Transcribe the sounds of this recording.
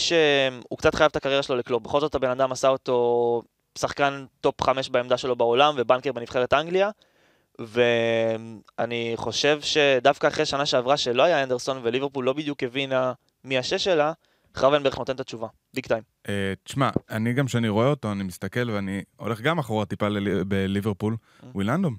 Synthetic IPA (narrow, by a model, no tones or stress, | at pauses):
ʃemṵkt͡sat̪χajavt̪akaʁjeʁaʃeloliklobeχo̞lzo̞tabe̞nad̪amasao̞to̞ | saχkant̪o̞pχameʃbaemd̪aʃe̞lo̞baolamve̞bankeʁbe̞niv̥χeʁ̞et̪aŋɡlia | ve̞maniχo̞ʃe̞vʃe̞d̪afkaːχʁeʃanaʃeavʁaʃe̞lo̞ajaand̪e̞ʁso̞nveliveʁpulːo̞bid̪jukevina | miaʃe̞ʃe̞la | χavenbe̞note̞nt̪at͡ʃuva | bikt̪ajm | et̪i̥ʃma̰aniɡamʃeaniʁo̞eot̪o̞animist̪ake̞lveanio̞̰le̞χɡamaχoʁat̪ipalebeliveʁpul | wiland̪om